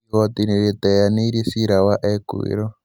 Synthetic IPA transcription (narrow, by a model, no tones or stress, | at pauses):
ɣɔt̪iniɾit̪ɛjaniiɾisiɾawaʔɛkḭɾɔ